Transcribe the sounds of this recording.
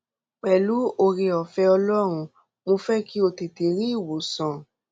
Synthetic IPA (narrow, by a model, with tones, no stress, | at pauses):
k͡pɛ˨lu˨˦o˧ɾe˧ɔ˨fɛ˧ɔ˧lɔ˦ɾ̃ũ˧ | mo˧fɛ˦ki˦o˧te˨te˨ɾi˦i˦˨wo˨˦sɔ̃˨